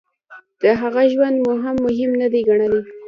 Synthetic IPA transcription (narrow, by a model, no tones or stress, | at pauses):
d̪̥əɦaɣaʒwand̪mʊɦamːʊɦɪmnad̪ajɡaɳ̃əli